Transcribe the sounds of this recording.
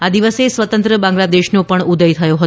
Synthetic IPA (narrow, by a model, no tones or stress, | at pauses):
ad̪iʋəsesʋət̪ənt̪ɾəbãŋɡlad̪eʃnopəɳud̪əjt̪ʰəjoɦət̪